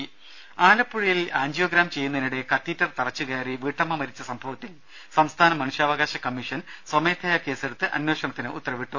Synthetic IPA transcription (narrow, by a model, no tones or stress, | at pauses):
aːlɐpːuɻijilaːɲd͡ʑjo̞ːɡɾaːmt͡ɕe̞jːunːɐiniɽe̞kɐt̪ːiːtːɐrt̪ɐrɐt͡ɕːukeːriʋiːʈːɐmːɐmɐɾit͡ɕːɐsɐmbʱɐʋɐt̪ːil | sɐmst̪ʰaːnɐmɐnuʂjaːʋɐɣaːɕɐkɐmːiʂɐnswɐme̞ːt̪ʰɐjɐke̞ːse̞ɽut̪ːɨʔɐ̰nwe̞ːɕɐɳɐt̪ːinɨʔṵt̪ːɐrɐʋiʈːu